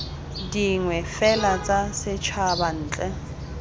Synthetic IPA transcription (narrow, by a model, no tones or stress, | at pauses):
diŋwɛfɛlat͡sʼasɪt͡ʃʰaban̩ːt͡ɬʼɛ